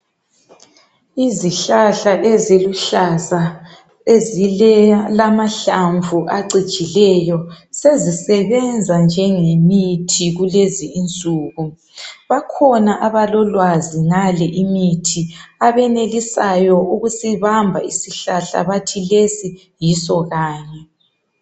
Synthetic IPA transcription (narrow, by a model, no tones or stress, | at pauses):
iziɬaɬaʔeziluɬaza | ezilɛlamaɬaɱvʱuʔaǀi̥t͡ʃʼilɛjɔ | sezisɛβɛnd͡zʱand͡ʒʱɛŋemitʰiɣuleziːnt͡sʼuːɣu | βakʰɔnaʔaβalɔlwaziŋalɛʔimitʰiaβɛnelisajɔʔuɣusiβambʱa̰isiɬaɬa̰βatʰilesi | jisɔɣaːɲɛ